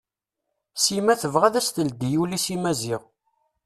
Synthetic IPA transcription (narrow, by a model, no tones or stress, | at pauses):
simæθəvʁæðæst̪əld̪ijulisimæziʁ